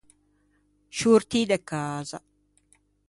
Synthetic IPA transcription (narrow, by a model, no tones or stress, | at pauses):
ʃuːɾt̪iːd̪ekːaːzɐ